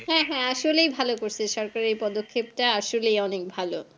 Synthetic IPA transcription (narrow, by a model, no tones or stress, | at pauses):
hɛ̃ɦɛ̃aʃolejbʱalokoɾt͡ɕʰeʃɔɾkaɾepɔd̪okʰːebʈaaʃolejɔnek̚bʱalo